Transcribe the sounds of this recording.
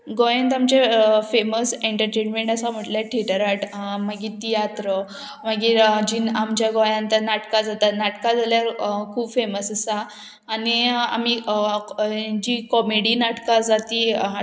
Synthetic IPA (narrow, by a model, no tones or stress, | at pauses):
ɡɔjãnt̪amt͡ɕefeməseɳʈəɾʈenmeɳʈasam̤əʈljaʈʰeʈəɾaʈmaɡit̪ijat̪ɾə | maɡiːd͡ʑiːnamt͡ɕjaɡɔjãnt̪ənaʈkad͡zat̪anaʈkad͡zaljaɾkʰuːbfeməsəsaː | nia̰m̤i | d͡ʑikɔmeɽinaʈkad͡zat̪i